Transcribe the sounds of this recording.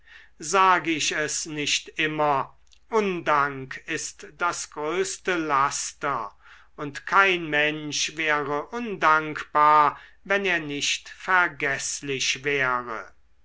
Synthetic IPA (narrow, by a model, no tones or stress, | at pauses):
zaːɡəɪʃɛsnɪʃtʔɪmɐ | ʔʊndaŋkʰɪstd̥asɡ̥ʁøːstəlastɐ | ʊntkʰaɪnmɛnʃvɛːʁəʔʊndaŋkb̥aːɐ | vɛneːɐnɪʃtfɛɐɡɛslɪʃvɛːʁə̰